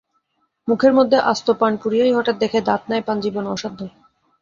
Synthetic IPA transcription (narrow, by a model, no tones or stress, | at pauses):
mukʰeɾmod̪ʱːeʔast̪opanpuɾiojɦɔʈat̪̚d̪ekʰed̪at̪̚naepand͡ʑibonɔ̰ʃad̪ʱːo